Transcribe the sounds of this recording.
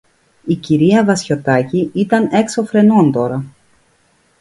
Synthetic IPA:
iciɾiɐvɐsço̞t̪ɐciit̪ɐne̞kso̞fɾe̞no̞nt̪o̞ɾɐ

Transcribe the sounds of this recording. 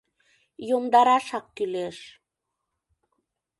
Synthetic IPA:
jomd̪ɑɾɑʃɑk̚kyleʃ

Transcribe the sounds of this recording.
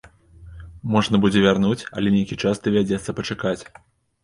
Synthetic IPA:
mɔʐnɐbud͡zʲɛvʲarnut͡sʲɐ̰lʲɛnʲejkʲit͡ʂasd̪ɨvʲad͡zʲɛt̪sːɐpɐt͡ʂakat͡sʲ

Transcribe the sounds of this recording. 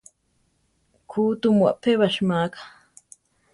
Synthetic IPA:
kʰuːt̪umwa̰ʔpʰeβaʃmaːkḁ

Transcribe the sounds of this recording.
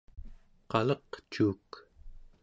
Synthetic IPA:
qɑlʌqt͡ʃuːk

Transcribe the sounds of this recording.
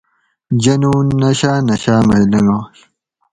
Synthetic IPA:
d͡ʑɐnuːnɐɕaːnɐɕaːmɐjlɐnoɕ

